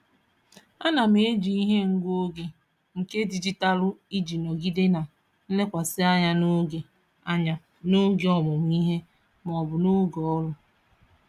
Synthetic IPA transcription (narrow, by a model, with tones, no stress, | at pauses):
a˦na˨m˦e˦d͡ʒi˨i˦ɦe˦ŋ̩˨ɡʷo˦ɡe˨ | ŋ̩˨ke˦di˨d͡ʒi˦ta˦lʊ˦i˦d͡ʒi˨nɔ˨ɡi˦de˦na˨ | n̩˦le˦kʷa˨sɪ˦a˦ɲa˦no˦ɡe˨ | a˦ɲa˨ | no˦ɡe˨ɔ˦bʊ˨m̩˨˦i˦ɦe˦ | m˨ɔ˨bʊ˨no˦ɡɔ˨ɔ˦lʊ˦